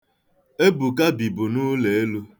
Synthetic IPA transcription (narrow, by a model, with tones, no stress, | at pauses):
e˦bu˨ka˦bi˨bu˨nu˦le˨e˦lu˦